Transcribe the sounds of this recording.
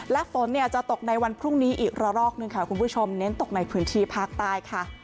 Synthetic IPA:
lɛ˦˥ʔfo˩˦nːi˥˩ɐt͡ɕa˨˩t̪o˨˩k̚na˧jwa˧npʰɾu˥˩ŋniː˦˥ʔiː˨˩k̚ɾa˧ɾɔː˥˩k̚nɯ˧ŋkʰa˦˥˩kʰu˧npʰu˦˥˩t͡ɕʰo˧mne˦˥nt̪o˨˩k̚na˧jpʰɯː˦˥nt̪ʰiː˥˩pʰaː˥˩k̚t̪aː˥˩jkʰa˥˩

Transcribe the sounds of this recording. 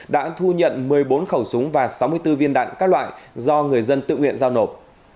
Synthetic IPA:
ɗa̰ː˧˥t̪ʰu˧ɲə̰˧˨nmɨ˨˩əjɓo˨˦nxə˧˩wsʊ˨˦ŋ͡mvaː˨˩sa˨˦wmɨ˧əjt̪ɨ˧vi˧ənɗa̰ː˧˨ŋkaː˦˥k̚lwa̰ː˧˨jzɔ˧ŋɨ˨˩əjzə˧nt̪ɨ̰˧˨ŋwḭ˧˨ənzaː˧wno˨˩p̚

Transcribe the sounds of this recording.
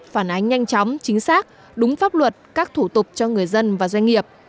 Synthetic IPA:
faː˧˩nʔa˨˦jŋ̟ːɲa˧jŋ̟t͡ɕɔ˨˦wŋ͡mt͡ɕï˨˦ŋ̟saː˦˥k̚ | ɗʊ˨˦ŋ͡mfaː˦˥p̚lwə˨˩t̚kaː˦˥k̚t̪ʰu˧˩t̪ʊ˨˩k͡p̚t͡ɕɔ˧ŋɨ˨˩əjzə˧nvaː˨˩zwa˧ŋ̟ŋi˨˩əp̚

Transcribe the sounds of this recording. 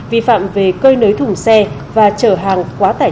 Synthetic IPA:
vḭ˧˨fa̰ː˧˨mve˨˩kəː˧jnəː˨˦jt̪ʰʊ˨˩ŋ͡msɛ˧ | vaː˨˩t͡ɕəː˧˩ɦaː˨˩ŋkwaː˨˦t̪aː˧˩

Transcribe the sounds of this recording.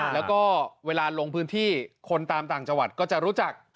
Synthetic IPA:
lɛː˦˥wkɔː˥˩weː˧laː˧lo˧ŋpʰɯː˦˥nt̪ʰiː˥˩kʰo˧nt̪aː˧mt̪aː˨˩ŋt͡ɕa˧ŋwa˨˩t̪̚kɔː˥˩t͡ɕa˨˩ɾuː˦˥t͡ɕa˨˩k̚

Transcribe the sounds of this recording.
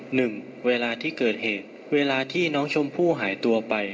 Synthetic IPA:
nɯ˨˩ŋ | weː˧laː˧t̪ʰiː˥˩kɤː˨˩t̪̚heː˨˩t̪̚ | weː˧laː˧t̪ʰiː˥˩nɔː˦˥ŋt͡ɕʰo˧mpʰuː˥˩ɦaː˩˦jt̪u˧ɐpa˧j

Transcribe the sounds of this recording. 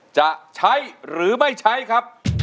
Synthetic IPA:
t͡ɕa˨˩ʔt͡ɕʰa˦˥jɾɯː˩˦ma˥˩jt͡ɕʰa˦˥jkʰɾa˦˥p̚

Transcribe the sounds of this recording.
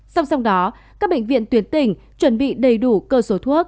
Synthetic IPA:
sa˧wŋ͡msa˧wŋ͡mɗɔ˨˦ | kaː˦˥k̚ɓḛ˧˨ŋ̟vḭ˧˨ənt̪wi˨˦ənt̪ï˨˩ŋ̟t͡ɕwə˧˩nɓḭ˧˨ɗə˨˩jɗu˧˩kəː˧so˨˦t̪ʰu˦˥ək̚

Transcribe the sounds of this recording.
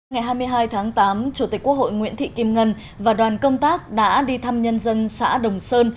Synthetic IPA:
ŋa˨˩jɦaː˧jmɨ˧əjɦaː˧jt̪ʰaː˨˦ŋt̪aː˨˦mt͡ɕu˧˩t̪ï˨˩k̟̚ku˦˥kho̰˧˨jŋwḭ˧˥ənt̪ʰḭ˧˨ki˧mŋə˧n | vaː˨˩ɗwaː˨˩nkə˧wŋ͡mt̪aː˦˥k̚ɗa̰ː˧˥ɗi˧t̪ʰa˧mɲə˧nzə˧nsa̰ː˧˥ɗə˨˩wŋ͡msəː˧n

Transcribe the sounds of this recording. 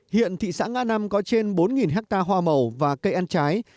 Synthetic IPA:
hḭ˧˨ənt̪ʰḭ˧˨sa̰ː˧˥ŋa̰ː˧˥na˧mkɔ˨˦t͡ɕe˧nɓo˨˦nŋi˨˩nɦɛ˦˥k̚t̪aː˧ɦwaː˧mə˨˩wvaː˨˩kə˧jʔa˧nt͡ɕaː˨˦j

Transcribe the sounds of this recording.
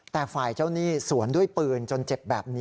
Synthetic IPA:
t̪ɛː˨˩faː˨˩jt͡ɕa˥˩wniː˥˩su˩˦əndu˥˩əjpɯː˧nt͡ɕo˧nt͡ɕe˨˩p̚bɛː˨˩p̚ni˦

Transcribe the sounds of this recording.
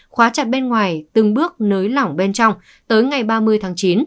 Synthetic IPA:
xwaː˨˦t͡ɕa˨˩t̚ɓe˧nŋwaː˨˩jt̪ɨ˨˩ŋɓɨ˦˥ək̚nəː˨˦jlɔ˧˩wŋ͡mɓe˧nt͡ɕɔ˧wŋ͡m | t̪əː˨˦jŋa˨˩jɓaː˧mɨ˧əjt̪ʰaː˨˦ŋt͡ɕi˨˦n

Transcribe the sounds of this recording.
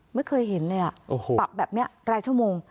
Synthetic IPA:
ma˥˩jkʰɤː˧jɦe˩˦nlɤː˧jʔa˨˩ʔo˨˩pa˨˩p̚bɛː˨˩p̚ni˦˥ɐɾaː˧jt͡ɕʰu˥˩əmoː˧ŋ

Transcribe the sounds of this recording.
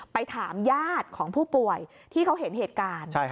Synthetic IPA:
pa˧jt̪ʰaː˩˦mjaː˥˩t̪̚kʰɔː˩˦ŋpʰuː˥˩pu˨˩əj | t̪ʰiː˥˩kʰa˦˥wɦe˩˦nheː˨˩t̪̚kaː˧nt͡ɕʰa˥˩

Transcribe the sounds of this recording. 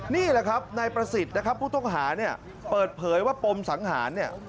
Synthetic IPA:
niː˥˩lɛ˨˩kʰa˦˥p̚na˧jpɾa˧si˨˩t̪̚na˦˥kʰa˦˥pʰːuː˥˩t̪ɔ˥˩ŋɦaː˩˦ni˥˩ɐ | pɤː˨˩t̪̚pʰɤː˩˦jwaː˥˩po˧msa˩˦ŋɦa̰ː˩˦nːi˥˩ɐ

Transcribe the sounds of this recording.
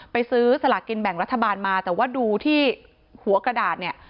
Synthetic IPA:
pa˧jsɯː˦˥sa˧la˨˩ki˧nbɛ˨˩ŋɾa˦˥t̪ʰːa˧baː˧nmaː˧t̪ɛː˨˩waː˥˩duː˧t̪ʰiː˥˩ | hu˩˦ɐkɾa˧daː˨˩t̪̚ni˥˩ɐ

